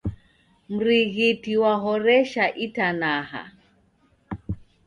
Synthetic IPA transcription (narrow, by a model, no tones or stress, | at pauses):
m̩ɾiɣitiwaɦɔɾɛʃaʔitanaha̰